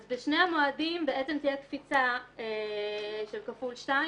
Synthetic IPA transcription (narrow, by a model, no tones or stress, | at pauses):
zbeʃne̞amoadimbeʔett͡semt̪ijekfit͡saeʃelkafulʃtai